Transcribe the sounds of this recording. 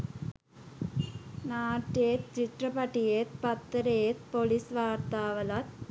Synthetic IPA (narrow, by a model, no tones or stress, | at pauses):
naːʈːeːt̪̚t͡ʃiʈrɐpɐʈːijeːt̪̚pɐt̪ːɐɾeːt̪polisʋaːɾt̪aːʋɐlɐt̪̚